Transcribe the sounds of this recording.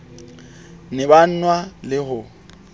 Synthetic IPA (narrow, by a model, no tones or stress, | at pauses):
nɪban̩nwalɪhʊ